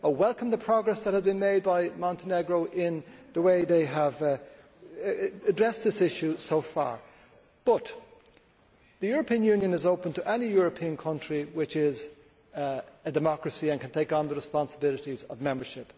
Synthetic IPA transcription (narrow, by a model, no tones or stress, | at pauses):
əwɛlˠkə̃mðəpʰɹ̥ɑɡɹɛsðət̚həzbɨ̃nmeɪd̚baɪmɑ̃ntʰənɛɡɹoʊʔɪ̃nðəweɪðeɪəv | ɨdɹɛsðɪsɪʃʉsoʊfɑ̰ɹ | b̥ʌt̪ | ðɨjʊɹəpʰĩə̃njʉ̃njɨ̃nɨzoʊpə̃ntʰəʔɛnijʊɹɨpʰĩə̃nkʰʌ̃nt͡ʃɹ̥iwɪt͡ʃɪz | ɨdɨmɑkɹɨsiɨ̃nkʰɨ̃ntʰeɪkn̩ðəɹɨspɑ̃nsəbɪlˠɨɾizʌvmɛ̃mbə˞ʃɪp